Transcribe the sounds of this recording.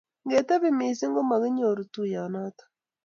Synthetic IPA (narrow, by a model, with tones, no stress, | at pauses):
ŋɡe˨ta˦βe˨me˨se˦ŋɡo˦ma˨ɣɪ˦ɲ˦o˨ɾu˨tu˦ja˨na˦tḁ˦